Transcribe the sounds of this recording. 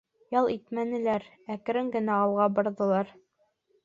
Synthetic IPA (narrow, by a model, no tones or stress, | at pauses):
jɑlˠit̪mænɘ̆læɾ | æk̆ɾɘŋɡɘ̆næɑlˠʁɑbŏɾðɤ̆lˠɑɾ